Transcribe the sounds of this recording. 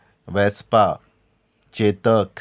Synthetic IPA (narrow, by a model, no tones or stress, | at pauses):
ʋɛspa | t͡ʃet̪əkʰ